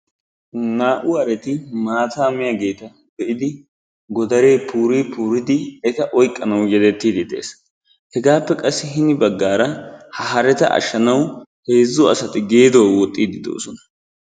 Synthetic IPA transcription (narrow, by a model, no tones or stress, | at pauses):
naːʔʊɐɾɛt̪ɪmaːt̪aːmɪjaɡe̞ːt̪ɐ | bɛʔɪd̪ɪ | ɡɔd̪ɐɾeːpʰuːɾiːpuːɾɪd̪ɪɛt̪ɐʔɔjkʼːɐnɐwjɛd̪ɛt̪ːiːd̪ɪd̪ḛːs | hɛɡaːpːɛkʼɐsːɪɦɪnɪbɐɡːaːɾɐhɐɦɐɾɛt̪ɐʔɐ̰ʃːɐnɐwhe̞ːzːʊɐ̰sɐt̪ɪɡe̞ːd̪owɔt̪ʼːiːd̪ɪd̪o̰ːsɔnɐ̥